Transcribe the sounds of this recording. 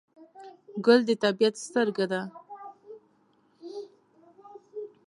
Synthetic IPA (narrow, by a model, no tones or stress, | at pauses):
ɡʊld̪ət̪abijat̪st̪əɾɡad̪a